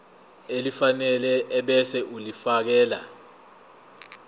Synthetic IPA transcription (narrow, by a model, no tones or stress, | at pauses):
elifanɛlɛʔːɓɛsɛʔulifak̬ɛːla̰